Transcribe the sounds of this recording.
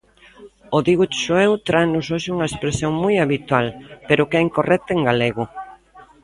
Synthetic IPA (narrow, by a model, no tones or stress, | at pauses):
oðiɣut͡ʃuɛwt̪ɾajnʊsoʃɪuŋɐespɾesjoŋmojaβit̪walpeɾʊkɛiŋkorʔɛk̚t̪eŋɡaleɣʊ